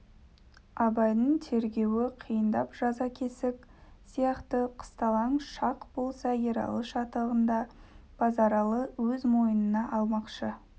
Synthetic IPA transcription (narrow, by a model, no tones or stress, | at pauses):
ɑbɑjd̪əɴt̪ʰe̞ɾɡʲe̞wɪqʰijənd̪ɑpʒ̥ɑzɑkʲʰesɪk | sijɑqt̪əqʰə̥st̪ɑlˠɑɴʃɑqb̥o̞lˠsɑjeɾɑ̰lˠəʃɑt̪lˠəʁənd̪ɑb̥ɑzɑɾɑlˠəwɵzmo̞jənənɑʔɑlˠmɑqʃə